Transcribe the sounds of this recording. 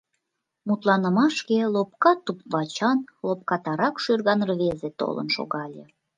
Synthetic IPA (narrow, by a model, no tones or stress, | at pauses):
mut̪lɑnə̆mɑʃkelop̚kɑt̪ːupβɑt͡ɕɑnlop̚kɑt̪ɑɾɑkʃyrɣɑnrβezet̪o̰lə̰nʃo̰ɣɑlʲe